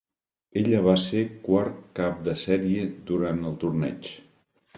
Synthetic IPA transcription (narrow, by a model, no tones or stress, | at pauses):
eʎəβ̞asekwaɾt̪̚kap̚d̪əsɛɾiəd̪uɾant̪əlˠt̪uɾnɛ̰t͡ʃ